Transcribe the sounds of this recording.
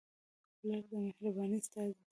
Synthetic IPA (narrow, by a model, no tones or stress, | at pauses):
laɾd̪əmɪhɾabɑnist̪ɑzi